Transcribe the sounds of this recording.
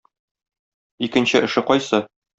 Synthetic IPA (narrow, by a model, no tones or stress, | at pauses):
ikɘ̆nɕɘʔɘ̆ʃɘqɒjsɤ